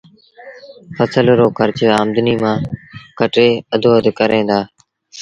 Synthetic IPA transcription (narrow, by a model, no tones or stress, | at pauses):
fəsəlɾoːkʰəɾt͡ʃːaːmd̪niːmãːkəʈeːəd̪ʱoːəd̪kəɾẽːnd̪aː